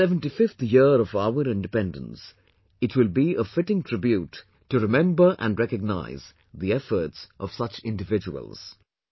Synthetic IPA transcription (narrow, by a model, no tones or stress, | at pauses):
ɛvə̃ntifɪft̪jɪɾɔvaʊəɾɪ̃ndɨpɛ̃ndə̰̃ns | ɨtʰwɪlˠbiəfɪʈɪ̃ŋtʰɹ̥ɪbjuːtː | ɨɾɨmɛ̃mbə˞ʔə̰̃nɹɛkəɡ̚na̰ɪz̥ | ðiɛfə˞tsʔʌv̥sʌt͡ʃɪ̃ndɨvɪd͡ʒəə̰lˠz̥